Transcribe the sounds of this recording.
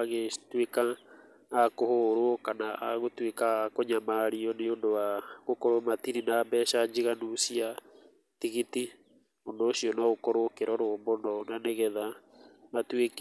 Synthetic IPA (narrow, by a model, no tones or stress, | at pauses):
aɣetwekaː | kohoɾokanaa̰ɣotwekakoɲamaɾiɔneondowaɣokɔɾomatiɾinaːbɛːʃaɲd͡ʒiɣanusia | tiɣiti | ondoːɕiɔnɔɣokɔɾokeɾɔɾoːmbonɔnaneɣɛða | matwek